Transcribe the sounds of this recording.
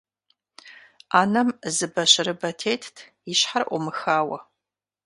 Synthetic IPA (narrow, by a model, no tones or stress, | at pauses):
aːnɐmzɨbɐɕɪɾɨbɐtʰeːtʰtʰ | iɕħarʔʷɔmɨxaːwɐ̰